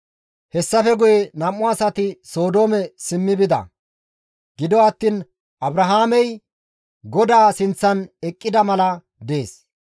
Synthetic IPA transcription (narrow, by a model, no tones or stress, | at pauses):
hɛsːɐfɛɡʊjɛnɐmːʊɐsɐt̪ɪso̞ːd̪o̞ːmɛsɪmːɪbɪd̪ɐ̰ | ɡɪd̪ɔɐt̪ːiːn | ʔɐbɾɐɦaːmɛj | ɡɔd̪aːsɪnt͡sːɐnɛkʼːɪd̪ɐmɐlɐ | d̪e̞ːs